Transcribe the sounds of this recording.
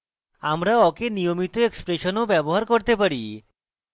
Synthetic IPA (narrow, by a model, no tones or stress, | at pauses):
amɾaɔkenijomit̪oekspɾeʃonobɛboɦaɾkoɾt̪epaɾi